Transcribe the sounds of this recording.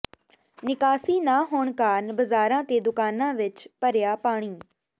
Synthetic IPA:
nɪkaːsiːnaːɦoːɳkaːnbəzaːɾãːt̪eːd̪ʊkaːnãːʋɪt͡ʃpəɾɪjaːpaːɽ̃iː

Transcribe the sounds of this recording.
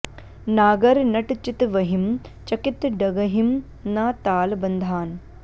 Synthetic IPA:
naːɡɐɾnɐʈt͡ʃit̪ʋɐɦimt͡ʃɐkit̪ɖɐɡɐɦim | naːt̪aːlbɐnd̪ʱaːn

